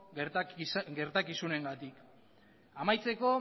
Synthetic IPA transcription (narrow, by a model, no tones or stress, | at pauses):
ɡe̞ɾt̪akisune̞ŋɡat̪ik | amajt͡se̞ko̞